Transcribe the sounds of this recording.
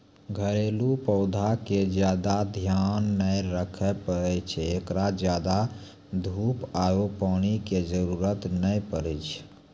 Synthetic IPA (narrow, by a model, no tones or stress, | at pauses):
ɡʱəɾelupəʊd̪ʱaked͡ʒjad̪ad̪ʱjanːəjɾəkʰɛpəɾɛt͡ʃʰɛːkɾad͡ʒjad̪a | d̪ʱupajopañiked͡ʒəɾuɾət̪nəjpəɾɛt͡ʃʰ